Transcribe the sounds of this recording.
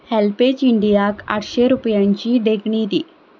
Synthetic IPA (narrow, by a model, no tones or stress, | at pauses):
hɛlpet͡ɕiɳɖijaka̰ʈʰɕeɾupjãɲt͡ɕiɖeɡɳid̪iː